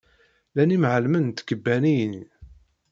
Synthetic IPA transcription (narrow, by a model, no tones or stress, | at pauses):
lænimʕəlmənt̪kːəbːænijni